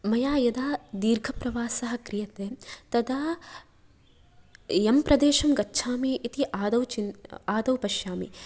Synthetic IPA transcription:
mɐjaːjɐd̪aːd̪iːɾɡʱɐpɾɐʋaːsɐɦɐ̆kɾijɐt̪eːt̪ɐd̪aː | jɐmpɾɐd̪eːʃɐmɡɐtːʃʰaːmiʔit̪iʔaːd̪ɐwt͡ʃinaːd̪ɐwpɐʃjaːmḭ

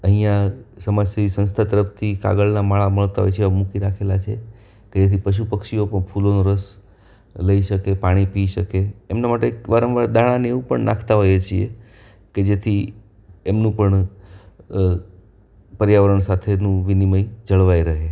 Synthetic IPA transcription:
əɦijãsəmad͡ʒseʋisə̃nst̪ʰat̪əɾəpʰt̪ʰika̰ɡəɭnamaɭaməɭt̪aɦo̰jt͡ʃʰeeamũkiɾakʰelat͡ʃʰḛ | ked͡ʒet̪ʰipəʃ̬upəkʃiopəɳpʰulonoɾəs | ləiʃəkepaɽ̃ipiʃəkeːmnamaʈeʋaɾəmʋaɾd̪ʱaɽ̃ãneʋũpəɳnãkʰt̪aɦojet͡ʃʰiḛ | ked͡ʒet̪ʰi | emnũpəɳ | pəɾjaʋəɾəɳsat̪ʰenũʋiniməid͡ʒəɭʋajɾəɦe

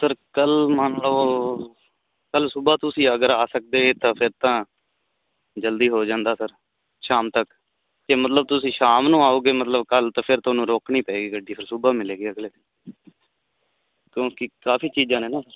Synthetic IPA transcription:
səɾkəlmənlə | kəlsʊbaːt̪ʊsĩːəɡəɾaːsək̚d̪eːɡeːt̪ãːpʰɪɾt̪ãː | d͡ʒəld̪iːɦoːd͡ʒãːnd̪aːsəɾ | ʃaːmt̪ək | t̪eːmət̪ləb̚t̪ʊsĩːʃaːmnũːaːoːɡeːmət̪ləbkəlt̪ãːpʰɪɾt̪oːnũːɾoːknĩːpəeːɡiːɡəɖiːpʰɪɾsʊbaːmɪleːɡeːəɡleː | kjõːkɪkaːpʰiːt͡ʃiːd͡ʒãːnẽːnaːsəɾ

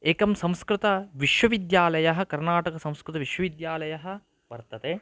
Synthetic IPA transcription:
eːkɐmsɐ̃m̃skɾɪt̪ɐʋiʃwɐʋid̪jaːlɐjɐɦɐ̆kɐɾnaːʈɐkɐsɐ̃w̃skɾɪt̪ɐʋiʃʋɐʋid̪jaːlɐjɐɦɐ̆ | ʋɐɾt̪ɐt̪eː

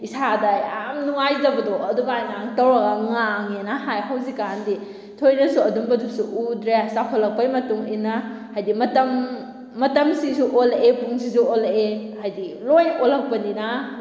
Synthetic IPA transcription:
isadajamnuŋajzɐbɐdɔɐduɡajŋaŋtɐwɾɐɡɐŋaŋenahajɦawzikandi | tʰojnɐsuɐduŋbɐdusuʔudɾeasakʰɔlːɐk̚pɐjmɐtuŋinːa | hajdimɐtɐmː | ɐtɐmsisuʔolepuŋsisuolehajdilojnolɐk̚pɐnina

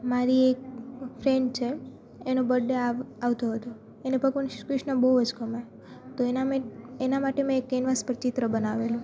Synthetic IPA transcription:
maɾiek̚fʰɾeɳɖt͡ʃʰeː | nobəɖːeaaʋt̪oɦət̪o | enebʱəɡʋənkɾɪʃnəbəwəd͡ʒkəma | t̪oenamẽenamaʈemẽekːenʋaspəɾt͡ʃɪt̪ɾəbənaʋelũ

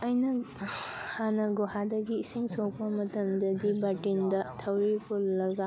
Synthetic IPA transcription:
ɐjnɐ | hanɐɡuhadɐɡiːsiŋsɔk̚pɐmɐtɐmdɐdibatindɐtʰɐwipʰulːɐɡa

